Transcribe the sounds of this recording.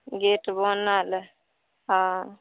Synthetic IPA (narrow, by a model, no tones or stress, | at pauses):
ɡeʈbɔnal | ɦã